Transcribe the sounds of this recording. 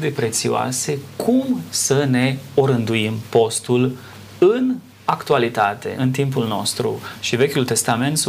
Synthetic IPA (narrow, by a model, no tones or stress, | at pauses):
d̪epɾe̞t̪sioa̰se̞kʰumsəne̞o̞ɾɨnd̪uimpo̞st̪ul | ɨn | akt̪ualit̪at̪e̞̰ɨnt̪impulno̰st̪ɾṵʃive̞kʲult̪e̞st̪ame̞nt̪